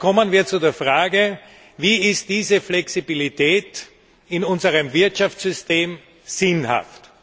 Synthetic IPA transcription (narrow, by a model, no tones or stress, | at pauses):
kʰɔmənviːɐt͡sudeːɐfʁaːɡə | viːɪst̚d̥iːzəflɛksibilitʰɛːt | ɪnʊnzəʁəmvɪɐtʃaft͡ssz̥ʏsteːm | z̥ɪnha̰ft